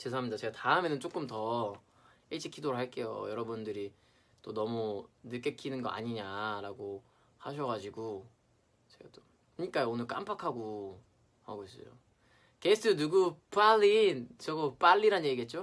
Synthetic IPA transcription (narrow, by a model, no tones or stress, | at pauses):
t͡ɕes̬ʰaɦamɲidat͡ɕe̞ɡataɯme̞nɯnt͡ɕ͈ok͈ɯmtʌ | it͡ɕʰikʰidoɾɯɭɦaɭk͈e̞jo̰jʌɾʌbundɯɾi | t͈onʌmunɯk͈e̞kʰinɯnɡʌʔa̰ɲiɲaɾaɡo | haɕʰʌɡad͡ʑiɡo | t͡ɕe̞ɡat͈om | kʰɯɲik͈ajoonɯɭk͈a̰mpʰakʰaɡo | haɡois͈ʌjo̰ | kes͈ʰɯnuɡup͈aʎːint͡ɕʌɡop͈aʎːiɾanɲjeɡiɡe̞t̚t͡ɕ͈o